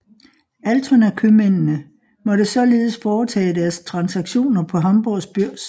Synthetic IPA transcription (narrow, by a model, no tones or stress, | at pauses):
ælt͡sʰonækʰømennə | mɒ̽ɾəsɒ̽le̝ːð̞̩ˠəsfɒːt͡sʰɛ̰ːd̥æɐst͡sʰʁɑ̈nsɑɡ̥ɕo̝̰ːnɐpʰɒ̽ɦɑ̈mb̥ɒsb̥yɐ̰s